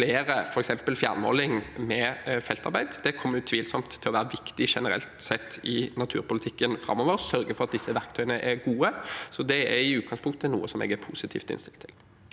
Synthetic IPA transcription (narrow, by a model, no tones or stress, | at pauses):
fleːɾəfɔɾɛksɛmpəlfjæ̰ɾnmɔ̰lɪŋmɛfɛlt̪ɑɾbæɪd̪d̪̥ɛkʰɔmːəjʊt̪ʰʋiːlsɔmt̪ʰːɪlɔʋæːɾəʋɪkt̪ɪʂɛnəɾɛ̰lt̪sɛt̪ːɪnɑt̪ʰʉːɾpʊlɪt̪ʰɪkːənfɾɑ̰mɔʋəɾsœɾɡəfɔɾɑt̪̚d̪ɪsːəʋæɾkt̪ʰœʏjənəʔɛɾɡuːəsɔd̪ɛæɾɪʉːt̪ɡɑŋspʊŋkt̪ənṵːəsɔmɛ̰ːɡæɾpʰuːsɪt̪ʰḭːft̪ɪ̰nst̪ɪlt̪ʰːɪl